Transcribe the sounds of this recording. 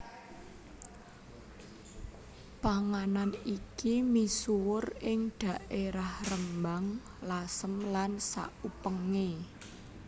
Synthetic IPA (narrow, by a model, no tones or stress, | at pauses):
paŋananikimisuwʊrɪŋɖ̪̥ä̤ʔeɾahrəmbaŋ | lasəmlansa̰ʔupəŋe